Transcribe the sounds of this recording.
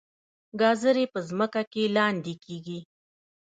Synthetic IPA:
ɡɑzəɾepəzməkakelɑnd̪ekʰeɡi

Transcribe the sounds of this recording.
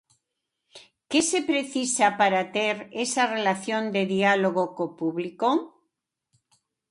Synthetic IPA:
kesepɾeθisapaɾat̪eɾesarelaθjõnd̪eðialoɣokopuβliko

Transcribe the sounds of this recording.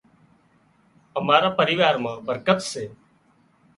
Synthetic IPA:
əmaːɾaːpəɾɪːʋaːɾmãːbəɾkət̪seː

